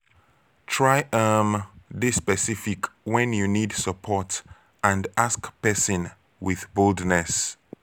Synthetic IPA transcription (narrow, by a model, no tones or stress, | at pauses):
tʰɹajəmðispɛsifikwɛ̃njunidsəpʰɔt | ãndaskpɛsɔ̃n | wɪðboldnɛs